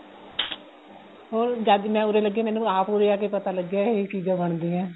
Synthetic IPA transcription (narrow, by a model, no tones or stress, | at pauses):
ɦoːɾd͡ʒaːd̪mɛ̃ːʊɾeːləɡːaːmɛ̃ːnũːaːpʊɾeːaːk̬eːpət̪aːləɡaːeːt͡ʃiːzãːbəɳd̪iːɛ̃ː